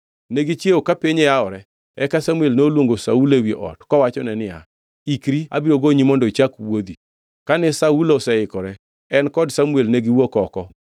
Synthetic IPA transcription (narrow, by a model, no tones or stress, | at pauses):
neɡit͡ʃjeokapɪɲejaɔɾɛ | ɛkasamuelneolwoŋɡosaulewieʔɔ̰tkɔwat͡ʃɔnɛnɪja̰ | ikɾia̰biɾoɡoɲimɔndɔit͡ʃakwod̪i | kanɛsaulɔsɛɪkɔɾɛ | ɛnkɔdsamuelneɡiwokɔkɔ